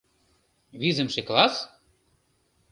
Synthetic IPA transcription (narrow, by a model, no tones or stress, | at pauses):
βizɘ̆mʃeklɑs